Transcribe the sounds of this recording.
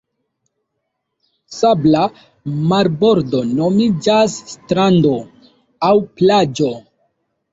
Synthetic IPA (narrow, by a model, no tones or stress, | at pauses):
sabla | maɾbo̞ɾdo̞no̞mid͡ʒasːtɾando̞ | awplad͡ʒo̞